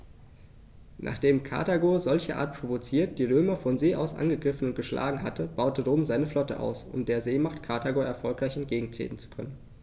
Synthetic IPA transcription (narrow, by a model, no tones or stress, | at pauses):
nʔa̰ːχd̥eːmkʰa̰ɐtaɡozɔlçəʔa̰ːt̚pʁ̥ovot͡siːɐt̚d̥iːʁ̞øːmɐfɔnzeːʔaʊsʔa̰nɡəɡʁɪfn̩ʊnt̚ɡ̥əʃlʔa̰ːɡŋ̩ɦa̰tʰəb̥aʊtəʁoːmzaɪnəflɔtə̰ʔa̰ʊsʊ̰mdeːɐzeːmaχtkʰaɐtʰaɡoɛɐfɔlkʁ̥aɪçɛntɡ̥eːɡŋ̩tʁ̥ḛːtn̩t͡su̥kʰœ̰nən